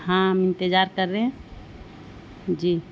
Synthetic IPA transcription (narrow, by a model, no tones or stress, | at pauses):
ɦãmɪ̃nt̪ed͡ʒaːɾkəɾːeɦɛ̃ | d͡ʒiː